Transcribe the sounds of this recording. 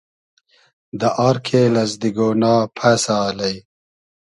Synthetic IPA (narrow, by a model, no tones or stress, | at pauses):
d̪əʔɑːɾkʰelɐzd̪iɡonɑːpʰɐsaːlɐj